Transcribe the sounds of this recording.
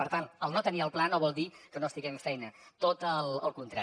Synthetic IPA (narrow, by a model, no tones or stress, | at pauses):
pəɾt̪anəlˠnot̪əniəlˠplanoβɔlˠd̪ikənoəst̪iɣɛɱfɛjnət̪ot̪əlˠəlˠkunt̪ɾa